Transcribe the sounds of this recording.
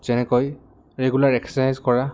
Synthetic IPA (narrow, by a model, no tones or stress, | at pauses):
z̥ɛnɛkoj | ɹeɡulaɹɛksɛsajzkɔɹa